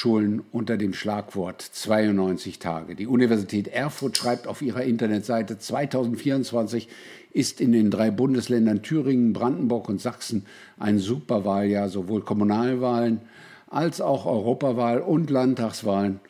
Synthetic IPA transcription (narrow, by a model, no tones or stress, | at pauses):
ʃuːlənʔʊntɐdeːmʃlaːkv̥ɔɐtt͡sv̥aɪʊnnɔʏnt͡sɪçtʰa̰ːɡədiːunivɛɐzitʰɛːtʔɛɐfʊɐtʃʁ̥aɪp̚taʊfʔiːʁɐʔɪntɐnɛtz̥aɪtət͡sv̥aɪtʰaʊzn̩tfiːɐʊnt͡sv̥ant͡sɪç | ʔɪstɪndeːndʁaɪbʊndəslɛndɐntʰyːʁɪŋənbʁandn̩bʊɐkʊntz̥aksn̩ | ʔa̰ɪnzuːpɐvaːljaːɐzovoːlkʰɔmunaːlvaːlən | ʔalsaʊxʔɔ̰ʏʁoːpavaːlʊntlantʰːaχsv̥aːlən